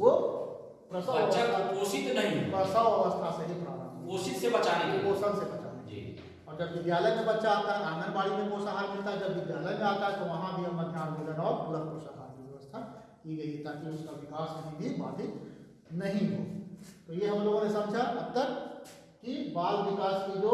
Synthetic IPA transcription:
ʋo | pɾɐsaaaoːsɪt̪nɐɦĩɦpɾɐsaʋɐʋəst̪ʰasebipɾaːbənoːsɪt̪sebɐt͡ʃaːẽɡeoːsəlsebɐt͡ʃa̰ːned͡ʒi | ɔːɾd͡ʒɐbʋɪd̪jaːləjkebɐtːʃaaːt̪aɦɛnaːnəɾbaːɽimẽkoːsaɦaːɾmɪlt̪aɦɛd͡ʒɐbːɪd̪jaːləjmẽaːt̪aɦɛt̪oʋɐɦãbʱiɦɐmːed̪ʱjaːnmɪlənɔːɾʊləkpɾoʃaɦaːɾkiɐʋəst̪ʰa | kiɡɐiɦet̪aːkiʊskaʋɪkaːsɐɦĩbʱibaːɽi | nɐɦĩɦo̰ːt̪ojeɦɐmloːɡõnesɐmd͡ʒʱaɐt̪ːəɾ | kibaːlʋɪkaːskid̪o

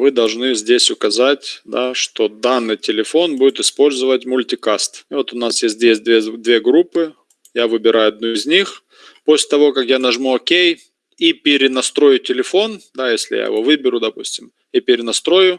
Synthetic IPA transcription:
vɨd̪ɐlˠʐnɨzʲdʲesʲʊkɐzatʲd̪aʂt̪o̞d̪anːɨjtʲɪlʲɪfo̞nbudʲɪt̪ɪspo̞lʲzəvətʲmʊlʲtʲɪkast̪vo̞t̪ʊnasjesʲt̚ʲdʲesʲt̚ʲd̪vʲed̪vʲe̞ɡɾupːɨ | javɨbʲɪɾʔajʊɐd̪̚nuɪzʲnʲix | posʲlʲɪ̥t̪ɐvo̞kɐkjanɐʐmuokʲej | ipʲɪɾʲɪnɐst̪ɾo̞jʊtʲɪlʲɪfo̞nd̪ajesʲlʲɪ̰ja̰jɪ̰vo̞vɨbʲɪɾʲʊd̪ɐpusʲtʲɪm | ɪpʲɪɾʲɪnɐst̪ɾo̞jʊ

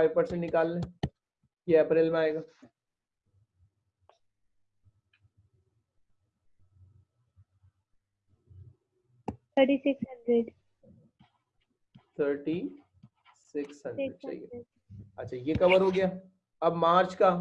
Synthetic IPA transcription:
aiʋpɐɾsẽɳʈnɪkaːlnẽ | jeɐpɾeːlmẽaːeːɡaː | t̪ʰəɾʈisɪksɦɐ̃ɳɖɾeɖ | t̪ʰəɾʈi | sɪksɦɐ̃nɖɾeɖ̚t͡ʃa̰lḭjḛ | ɐtːʃʰajekɐbəɾɦoɡɐjaː | ɐbmaːɾt͡ʃka

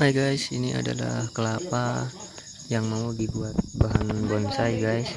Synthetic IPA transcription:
ajɡajsiniʔa̰da̰la̰hkəlapa | jaŋmaudibuat̪̚baɦanbɔnsajɡajs

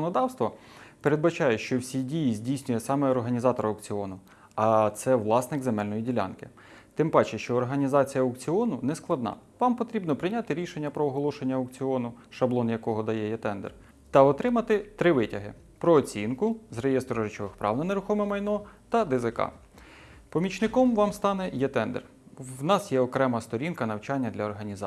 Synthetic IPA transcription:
nɔd̪ɑwst̪ʋɔ | peɾed̪bɐt͡ʃɑjɛʃt͡ʃɔwsʲidʲijizʲdʲijsʲnʲʊjɛsɑmɛɔrɦɐnʲizɑt̪ɔɾɐɔkt͡sʲɪɔnʊ | ɐt̪sɛʋlˠɑsnɪkzemɛlʲnɔjidʲilʲa̰nkɪ̰ | t̪ɪmbɑt͡ʃɪʃt͡ʃɔːrɦɐnʲizɑt͡sʲijɐɔkt͡sʲiɔnʊnɛsklˠɐd̪nɑ̰ʋɑmpɔt̪ɾʲibnɔpɾɪjnʲat̪ɪɾʲiʃenʲːɐpɾɔːɦɔlˠɔʃenʲːɐɔkt͡sʲɪɔnʊʃɐblˠɔnjɐkɔɦɔd̪ɐjɛjɛt̪ɛnd̪ɛ̰r | t̪ɐɔt̪ɾɪmɐt̪ɪt̪ɾɪʋɪtʲɐɦɪ̰ | pɾɔːt͡sʲinkʊzrejest̪ɾɔʐɪt͡ʃɔʋɪxpɾɑ̰wnɐneɾʊxɔmɛmɐjnɔt̪ɐd̪ɪzɪkɑ̰ | pɔmʲit͡ʃnɪkɔmʋɑmst̪ɑnɛjɛt̪ɛnd̪ḛr | wnɑsjɛɔkɾɛmɐst̪ɔɾʲinkɐnɐwt͡ʃɑnʲːɐd̪lʲɐɔrɦɐnʲiz

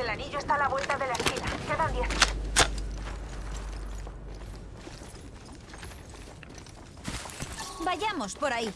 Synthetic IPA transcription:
elaniʎoe̞st̪alaβwe̞lt̪aðe̞laeskinakaðaðjan | baʝamospo̞ɾai

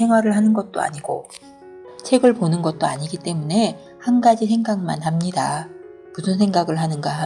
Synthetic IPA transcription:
e̞ŋɦwaɾɯɭhanɯnɡʌt̚t͈o̰a̰ɲiɡ̥o̰ | t͡ɕʰe̞ɡɯɭponɯnɡʌt̚t͈oaɲiɡit͈e̞mune̞ | hanɡad͡ʑisʰe̞ŋɡaɡɯɭma̰nɦamɲida | musʰɯnsʰe̞ŋɡaɡɯɭɦanɯnɡaɦ

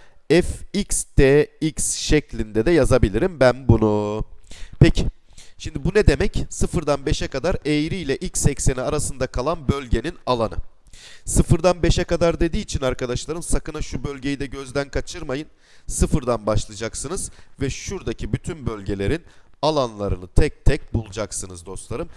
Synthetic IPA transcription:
ɛficst̪ʰeːicsʃɛclʲind̪ɛd̪ɛjazabilʲiɾimbænbunu | pɛcʰɪ̥ | ʃimd̪ibunɛd̪e̞mɛcsɯfɯɾd̪anbeʃɛkad̪aɾejɾiilʲɛʔilʲcsɛcse̞niaɾasɯnd̪akʰalˠanbø̞lʲɟe̞ninalˠanɯ̰ | sɯfɯɾd̪anbe̞ʃɛkad̪aɾd̪e̞d̪iːt͡ʃʰinaɾkad̪aʃlˠaɾɯmsakɯnaʃubø̞lʲɟejid̪ɛɟøzd̪ænkʰat͡ʃʰɯɾmajɯn | sɯfɯɾd̪anbaʃlˠɯd͡ʒaksɯnɯzvɛʃuɾd̪acʰibyt̪ʰynbølʲɟe̞lʲe̞ɾinalˠanlˠaɾɯnɯt̪ʰɛc̚t̪ʰɛc̚bulˠud͡ʒaksɯnɯzd̪o̞st̪lˠaɾɯm

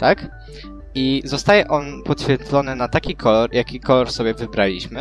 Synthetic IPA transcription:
t̪ak | izɔst̪ajɛʔɔnpɔt̪ɕfʲjɛɾd̪zɔnɘnat̪akʲikʰɔlɔɾjakʲikʰɔlɔɾsɔbʲjɛvɘbɾalʲḭɕmɘ

